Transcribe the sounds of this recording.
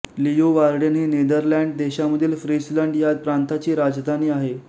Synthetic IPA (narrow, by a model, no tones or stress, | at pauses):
lijoʋaɾɽənɦiːned̪əɾlæɳɖ̚d̪eɕaməd̪ʱiːlfɾisləɳɖjad̪̚pɾant̪at͡ɕiːɾad͡zd̪ʱaniːaɦe